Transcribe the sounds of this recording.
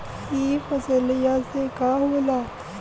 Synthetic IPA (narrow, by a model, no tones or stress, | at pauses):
kifɐzəlijasekaɦoːlaː